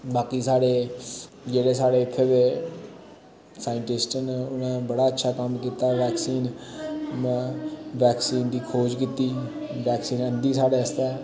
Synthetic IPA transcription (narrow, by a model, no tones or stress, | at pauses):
baːkiːsaːɽeː | d͡ʒeːɽeːsaːɽeːkʰːed̪eː | saːɪɳʈɪsʈənʊnãːbəɽaːətːʃʰaːkəmkiːt̪aːʋɛːksiːn | m̃ | ʋɛːksiːnd̪iːkʰoːd͡ʒkiːt̪iːʋɛːksiːnənd̪iːsaːɽeːəst̪ɛː